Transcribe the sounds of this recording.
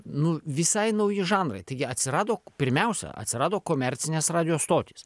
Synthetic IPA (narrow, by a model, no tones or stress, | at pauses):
nʊʋʲɪsɐɪnɐʊjɪʒɑːnɾɐ̰ɪt̪ɐɪɡʲɪɐt̪ʲsʲɪɾɑːd̪oːpʲɪɾʲmʲɛʊsʲɛ̰ɐ̰t̪ʲsʲɪɾɑːd̪oːkoːmʲɛɾʲt̪sʲɪnʲesɾɑːd̪ʲɪjoːst̪oːt̪ʲis